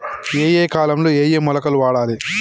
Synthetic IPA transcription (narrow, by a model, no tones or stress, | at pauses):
eːjeːkaːlɐmloːeːjeːmɔlɐkɐluʋaːɽaːli